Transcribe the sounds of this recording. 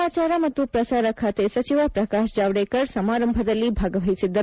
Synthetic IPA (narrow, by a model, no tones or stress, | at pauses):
at͡ʃaɾamɐt̪jupɾɐsaɾakʰat̪esɐt͡ʃiʋapɾɐkaʃd͡ʒaʋɽekəɾsɐmaːɾəmbʱəd̪əlːibʱaɡəʋʱəijsid̪ːə